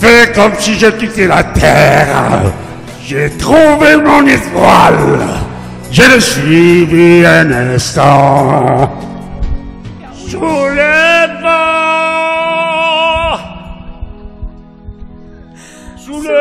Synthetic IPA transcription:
fɛkɔmsiʒek̪it̪elat̪ʰɛʁ | ʒet̪χuvemɔ̃net̪wal | ʒeləsɥiviɛ̃nɛ̃st̪ɑ̃ | sulevɑ

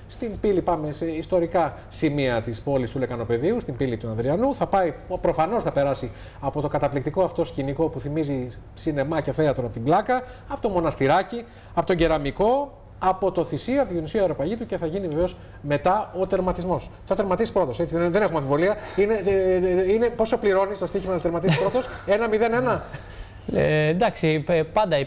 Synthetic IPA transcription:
st̪impilipɐme̞se̞ist̪o̞ɾikɐsimiɐt̪ispo̞list̪ulekɐno̞pe̞ðiust̪impilit̪uɐnðɾiɐnuθɐpɐipɾo̞fɐno̞snɐpe̞ɾɐsi | ɐpo̞t̪o̞kɐt̪ɐplik̚t̪iko̞ɐft̪o̞sciniko̞puθimizi | sine̞mɐceθe̞ɐt̪ɾoɐpot̪iblɐkɐ | ɐpo̞t̪o̞mo̞nɐst̪iɾɐci | ɐpo̞t̪o̞ɲɟeɾɐmiko̞ | ɐpo̞t̪o̞θisioɐpot̪iðonisiɐeɾopɐʝit̪uce̞θɐʝiniveve̞os | me̞t̪ɐo̞t̪e̞ɾmɐt̪izmo̞sθɐt̪e̞ɾmɐt̪isi̥pɾo̞t̪o̞se̞t͡siðeðene̞xumɐfivo̞liɐine | ine̞po̞sopliɾo̞nist̪ot̪içimɐnɐt̪eɾmɐt̪isi̥pɾo̞t̪o̞se̞nɐmiðe̞ne̞nɐ | nd̪ɐksipɐnd̪ɐ

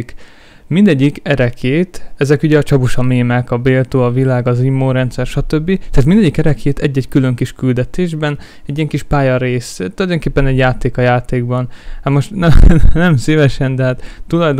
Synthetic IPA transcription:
k | mind̪ɛɟːikɛɾɛkʰeːt̪ɛzɛkuɟɛɒt͡ʃɒbuʃɒmeːmɛkɒbeːlt̪oːɒvilaːɡɒzimːoːɾɛnt̪sɛrʃɒt̪øbːit̪ɛaːt̪mind̪ɛɟːikɛɾɛkʰeːt̪ʰɛɟːɛckylø̞ŋkiʃkyld̪ɛt̪eːʒbɛn | ɛɟːijɛŋkiʃpaːjɒɾeːst̪ulɒjd̪o̞ŋkeːpːɛnɛɟjaːt̪eːkɒjaːt̪eːɡbɒnat̪mo̞ʃt̪nɛnɛmsivɛʃɛnd̪ɛɦaːt̪ːulɒjd̪

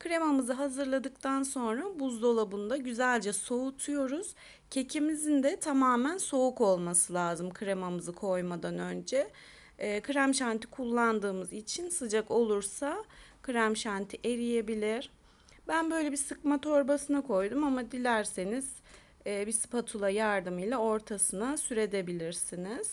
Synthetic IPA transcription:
kʰɯɾe̞mamɯzɯɦazɯɾlˠad̪ɯk̚t̪ʰanso̞nɾabuzd̪o̞lˠabund̪aɟyzælʲd͡ʒɛso̞ut̪ʰujo̞ɾuz̥ | cʰe̞cʰimizind̪ɛt̪ʰamaːmænso̞uko̞lˠmasɯlʲˠaːzɯmkʰɯɾemamɯzɯkʰo̞jmad̪anø̞nd͡ʒɛː | kʰɯɾamʃant̪ʰi̥kʰulˠːand̪ɯːmɯzit͡ʃʰinsɯd͡ʒako̞lˠuɾsakʰɯɾæmʃant̪ʰiʔe̞ɾije̞bilʲiɾ̥ | bænbø̞jlʲebisɯkmat̪ʰo̞ɾbasɯnɯkʰo̞jd̪umamad̪ilʲæɾse̞niz̥ | ɛːbispat̪ʰulˠajaɾd̪ɯmɯjlʲˠao̞ɾt̪ʰasɯnasyɾe̞d̪e̞bilʲiɾsiniz̥

